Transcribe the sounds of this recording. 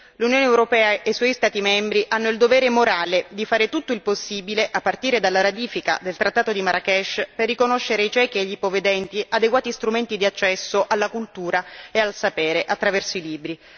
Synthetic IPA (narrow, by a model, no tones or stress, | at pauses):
lunjoːneewɾopɛːaejswɔjst̪aːt̪imɛmbɾiʔanːoild̪ovɛːɾemoɾaːled̪ifaːɾet̪ut̪ːoilposːiːbileʔapːart̪iːɾed̪alːaɾat̪iːfika̰d̪elt̪ɾat̪ːaːt̪od̪imaɾakɛʃperːikonoʃːeɾeit͡ʃɛːkieʎːipoved̪ɛnt̪iʔad̪eɡwaːt̪ist̪ɾument̪id̪iat͡ʃːɛsːoʔalːakult̪uːɾaealsapɛːɾeʔat̪ːɾavɛrsoiliːbɾi